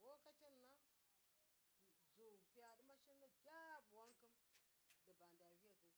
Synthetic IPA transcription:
wo˦ka˦t͡ʃi˦nː˨a˦ | zo˨fi˦ja˨ɗi˦ma˦ʃi˦nːa˦ɡʲa˦˨ɓu˨wa˦ŋkə˦mdə˨ba˨n˨da˨vi˦ja˨zu˨˦

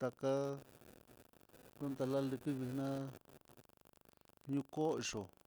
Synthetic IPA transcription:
t̪a˧ka˦ | lo˦nt̪a˧la˦li˧kɨ˦βi˧hnã˦ | ɲũ˧ko˦i˧˨ʂo˨

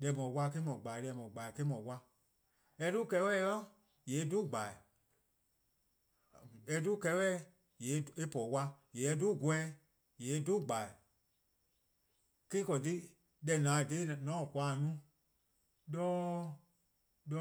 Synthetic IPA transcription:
dɛ˨˧˨mɔ̃˨˦wa˧ke˦mɔ̃˨ɡ͡ba˨lɛ˧˨mɔ̃˨ɡ͡ba˨ke˦mɔ̃˨wa˧ | ɛ˧˦du˦kɛ˧˦wɛ˦˨jɔ˦ | jeː˨˦du˦˨ɡ͡ba˨i˨ | ɛ˧˦du˦˨kɛ˧˦wɛː˦ | je˨˦e˧˦pɔ˨wa˧je˨ɛ˧˦du˦˨ɡɛ̃˦ | je˨˦du˦˨ɡ͡ba˨i˨ | ke˦kɔ˨t̬i˦ | dɛ˧˨nãː˨de˨˦˨nɔ̃˨˦˨kʷa˨nũ˦ | dɔː˦ | dɔ˧˦

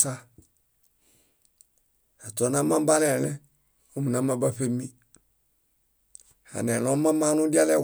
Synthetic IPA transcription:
sa˦ | a˨tɔ˨˦na˦mã˦m˦ba˦lɛ˨lɛ˦ | o˦mu˨na˨mã˦ba˦fe˦mi˦ | ha̰˨nɛ˨lo˦mã˦maː˦nu˦di˦a˦lɛ˦˨

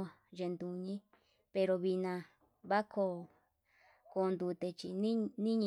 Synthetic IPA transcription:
a˨ | ʐe˧nd̪u˧ɲĩ˦ | pe˧ɾo˧βi˧nã˧ | βa˦kʰo˧ | ko˧nd̪u˧t̪e˧t͡ʃi˧nĩ˦nĩ˦ɲĩ˧

